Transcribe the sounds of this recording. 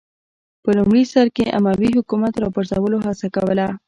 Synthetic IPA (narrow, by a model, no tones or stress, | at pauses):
pəlumɽisaɾkeʔa̰mawiɦʊkumat̪ɾɑbaɾzawəloɦasakawəla